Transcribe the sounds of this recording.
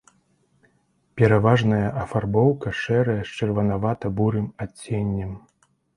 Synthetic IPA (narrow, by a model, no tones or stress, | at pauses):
pʲɛɾavaʐnɐjɐʔɐfarbɔwkɐʂɛɾɐjɐst͡ʂɐrvɐnavat̪ɐbuɾɨmat͡sʲːenʲːɐm